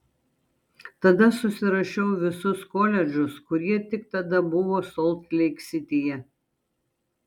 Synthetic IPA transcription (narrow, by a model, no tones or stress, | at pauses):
t̪ɐd̪ɐsʊsʲɪɾɐʃʲɛʊʋʲɪsʊskoːlʲɛd͡ʒʲʊskʊɾʲiɛt̪ʲɪk̚t̪ɐd̪ɐbʊʋoːsɔlˠt̪lʲɛɪksʲɪt̪ʲɪjɛ